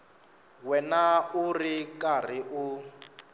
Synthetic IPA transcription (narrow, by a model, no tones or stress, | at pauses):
wɛnaurikʼar̤iʔu